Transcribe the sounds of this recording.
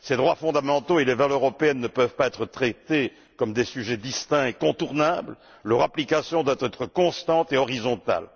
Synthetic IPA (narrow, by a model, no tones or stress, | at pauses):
sed̪ʁwafɔ̃d̪amɑ̃t̪oelevaløʁɔpeɛnːəpœvpaɛt̪χət̪χɛt̪e | kɔmd̪esyʒɛd̪ist̪ɛ̃ekɔ̃t̪uʁnabl | lœʁaplikasjɔ̃d̪wat̪ɛt̪χəkɔ̃st̪ɑ̃t̪eɔʁizɔ̃t̪a̰l